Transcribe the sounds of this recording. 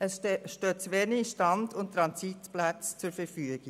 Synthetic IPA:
əsʃtøːt͡sʋeniʃtɑndʊnt̚tɾɑnsitplat͡st͡sʊɾfɛɾfyəɡ̥ɪ

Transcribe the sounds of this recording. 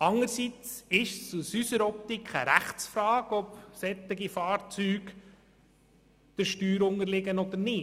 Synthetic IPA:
ɑŋəɾsit͡sɪʃsusysəɾɔp̚t̪ikχəɾæχt͡sfɾɑːɡɔpsɛt̪ːɪɡifɑːɾt͡syːɡ | d̪̥əɾʃtyːɾʊŋəɾlɪɡənɔd̪əɾnɪ

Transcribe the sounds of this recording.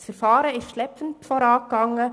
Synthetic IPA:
sfɛɾfɑːɾəɪstʃlɛpfən̩tfɔːɾɑːk̚ɡ̥ɑŋə

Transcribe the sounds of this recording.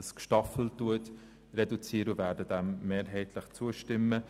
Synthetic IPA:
skʃtɑfl̩tːuət | rɛdut͡siːɾəvæːɾdədæmːeːɾɦɛɪtʰləχt͡suəʃtɪmːə

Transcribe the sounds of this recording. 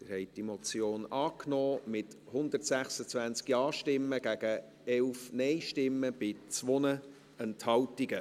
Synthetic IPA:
tɪɾhɛɪt̚d̥imot͡sjoːnɑːknɔːmɪt | hʊnd̪ərtsæχsət͡svænt͡skiɑːʃtɪmːəɡ̥æɡ̥ə | ɛlfnɛɪʃtɪmːəb̥ɪt͡sʋɔnə | ɛnthɑltiɡə

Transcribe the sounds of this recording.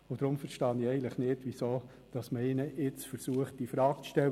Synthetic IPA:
ʊd̥̪ɾʊmfəɾʃtɑniɛɪən̩tləχnɪdʋisoː | d̥ɑsməɪnəɪt͡sfəɾsuəχt̚d̥ifɾɑːkt͡sʃtɛ

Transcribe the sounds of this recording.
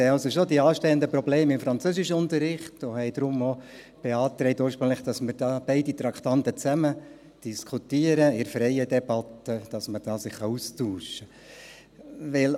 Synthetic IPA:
ɛɪɑlsoʃodiɑːʃtɛənd̪əprɔbleːmɪmfɾɑnt͡søːsɪʃəʊnt̪əɾːɪχtohɛɪd̪ɾʊmo | b̥eɑːt̪ɾɛɪtuːrʃpɾɵŋləχd̥ɑsməɾd̥ɑːb̥ɛɪdit̪ɾɑkʰt̪ɑnt̪ət͡sæmə | d̥iskʰut̪iːəɾəɪɾfɾɛɪədɛb̥ɑt̪ːəd̥ɑsməd̥ɑːsɪχχɑustuːʃə | ʋɪl

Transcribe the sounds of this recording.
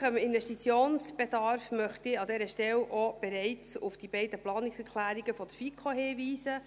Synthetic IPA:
χəmɪnvɛʃtit͡sjoːnsb̥edɑɾfmœχtɪɑdɛːɾəʃtɛlʔob̥ɛɾɛɪt͡sʊfd̥ibɛɪdəplɑːnɪksɛɾklæːɾiɡəfɔd̥̪əfikʰohɪːviːsə

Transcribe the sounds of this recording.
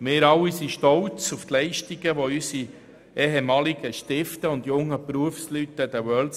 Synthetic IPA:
mɪːɾɑwːisiʃtɔwt͡suft̪lɛɪʃtiɡəʋoysi | ʔɛːɦemɑːliɡəʃtɪftəʊndjʊŋːəpɾuəfslytːəd̥̪əwɜːl

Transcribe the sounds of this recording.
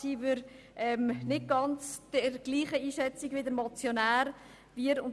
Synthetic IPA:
iːvʏɾ | ʔɛmnɪt̚ɡ̥ɑnt͡sd̥əɾɡ̥liːχəiːʃɛt͡siɡvʋɪdəɾmɔt͡sjonæːɾ | viəɾʊn

